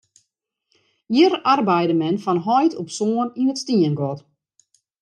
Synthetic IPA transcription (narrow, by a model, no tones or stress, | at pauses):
irʔarbɛjdəmɛnfɔnɦɔjtʰɔpsoəninətstiənɡɔt